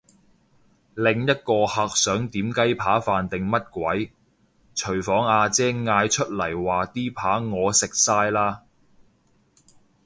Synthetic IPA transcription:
lɪ˨ŋjɐ˥t̚kɔː˧haː˨˧k̚sœː˨˥ŋt̪iː˨˥mkɐ˥jpʰaː˨˥faː˨nt̪ɪ˨ŋmɐ˥t̚kʷwɐ˨˥j | t͡ʃʰɵ˨˩ɥfɔː˨˥ŋaː˧t͡sɛː˥ŋːaː˧jt͡ʃʰɵ˥t̚lɐ˨˩jwaː˨t̪iː˥pʰaː˨˥ŋɔː˨˧sɪ˨k̚saː˥jlaː˥

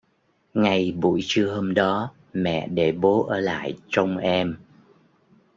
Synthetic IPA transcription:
ŋa˨˩jɓṵ˧˩jt͡ɕɨ˧əɦoː˧mɗɔ˨˦ | mɛ̰˧˨ɗe˧˩ɓo˨˦ʔəː˧˩la̰ː˧˨jt͡ɕə˧wŋ͡mʔɛ˧m

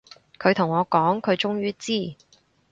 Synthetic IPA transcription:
kʰɵ˨˧t̪ʰʊ˨˩ŋɔː˨˧kɔː˨˥ŋkʰɵ˨˧ɥt͡ʃʊ˥ŋjyː˥t͡siː˥˩

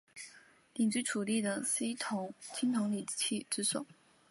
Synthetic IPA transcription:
li˨˩ŋt͡ɕi˥ɪʈ͡ʂʰu˨˩li˥˩d̪ə˩si˧˥t̪ʰʊ˧˥˦ŋt͡ɕʰi˥ŋt̪ʰʊ˧˥ŋli˨˩˧t͡ɕʰi˥˩ʈ͡ʂɻ̩˥sʊ̰˨˩˦

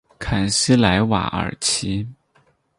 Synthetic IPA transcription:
kʰa˨˩nɕi˥la˧˥ɪwa̰˨˩ə̰˨˩t͡ɕʰi˧˥

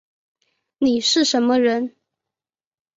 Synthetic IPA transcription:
ni˨˩ʂɻ̩˥˩ʂə˧˥nmə˦ɻə˧˥n

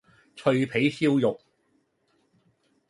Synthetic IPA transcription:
t͡ʃʰɵ˧ɥpʰe˨˥jsi˥wjʊ˨k̚

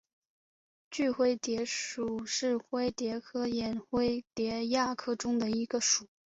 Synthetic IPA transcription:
t͡ɕy˥˧xwe˥˩ɪt̪jɛ˧˥ʂu˨˩ʂɻ̩˥˩xwe˥ɪt̪jɛ˧˥kʰɤ˥jɛ˨˩nxwe˥ɪt̪jɛ˧˥ja˥˩kʰɤ˥ʈ͡ʂʊ˥ŋd̪ə˨i˧˥ɡə˧ʂu˨˩˦

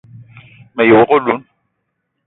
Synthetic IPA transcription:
mɛ˨jo˨ɣʊ˦lu˦n

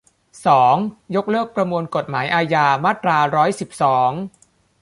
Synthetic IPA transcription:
sɔː˩˦ŋjo˦˥k̚lɤː˥˩k̚pɾa˧mu˧ənko˨˩t̪̚maː˩˦jʔaː˧jaː˧maː˥˩t̪ɾaː˧ɾɔː˦˥jsi˨˩p̚sɔː˩˦ŋ

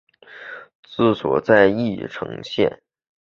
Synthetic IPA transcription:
t͡sɹ̩˥˩swɔ̰˨˩t͡sa˥˧ɪi˥˩ʈ͡ʂʰɤ̰˧˥ŋɕjɛ̰˥˩n

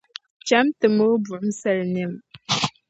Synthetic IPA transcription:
t͡ʃa˦mtɨ˨mə˦bu˨ʔn̩˦sɛ˦˨lne˨m

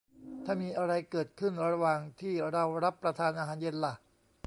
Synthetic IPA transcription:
t̪ʰaː˥˩miː˧ʔa˧ɾa˧jkɤː˨˩t̪̚kʰɯ˥˩nɾa˧waː˧ŋt̪ʰiː˥˩ɾa˧wɾa˦˥pːɾa˧t̪ʰaː˧nʔaː˧ɦaː˩˦nje˧nla˨˩

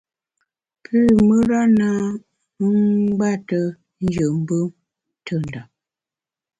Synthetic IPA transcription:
pʰʉ˦mə˦ɾa˦na˦ | ɡ͡ba˦˨tə˦ | n̩˦d͡ʒə˨m̩˦bə˦m | tʰə˦˨n˨da˨

